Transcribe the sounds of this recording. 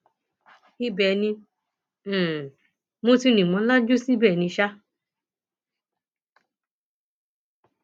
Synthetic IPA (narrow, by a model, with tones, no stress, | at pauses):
i˦bɛ˨nĩ˧˨ | mõ˨˦ti˧˦nĩ˨mɔ̃˧˦la˦d͡ʒo˦si˦bɛ˦˨nĩ˧ʃa˦